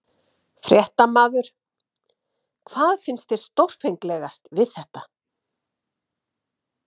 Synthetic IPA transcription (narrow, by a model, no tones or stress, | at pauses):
fɾjɛht̪amaːðʏɾ̥ | kʰv̥aːðfɪnst̪ɪɾ̥st̪owr̥fejŋklɛɣast̪vɪðθɛht̪a